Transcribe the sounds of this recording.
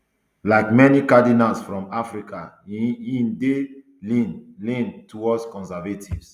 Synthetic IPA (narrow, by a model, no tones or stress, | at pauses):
laɪkmɛnikadinalsfɹɔ̃mafɹikʰa | ĩnde | inlĩntʰuwɔdskɔ̃nsɛvetʰivs